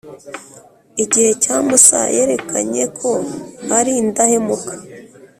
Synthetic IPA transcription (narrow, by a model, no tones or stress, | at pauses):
iɟihe̞caːmusa̰je̞ɾe̞kʰa̰ɲekʰo̞haɾindahe̞mukʰḁ